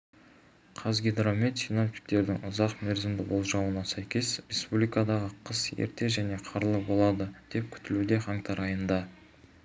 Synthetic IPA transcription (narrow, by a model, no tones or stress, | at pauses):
qʰɑzɡʲed̪ɾome̞t̪sinomfʲi̥kt̪e̞ɾd̪ɪ̰ŋʊzɑqmeɾzɪmd̪ɪbo̞lˠʒɑwənɑsæjkʲe̞sɾe̞spublijkɑd̪ɑʁəqʰəsḛɾt̪e̞ʒæne̞qʰɑɾlˠəbo̞lˠɑd̪əd̪̥e̞p̚kʲʰʏ̥t̪ɪlud̪e̞χɑŋt̪ʰɑɾɑjənd̪ɑ